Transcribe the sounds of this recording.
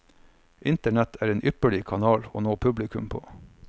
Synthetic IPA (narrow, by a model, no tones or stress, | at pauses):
ʔɪnt̪əɳɛt̪ʰæːɾeːnʔʏpəɭɪkʰɑnɑːlo̰ːnoːpʰʉblɪkʉ̰mpʰo̰ː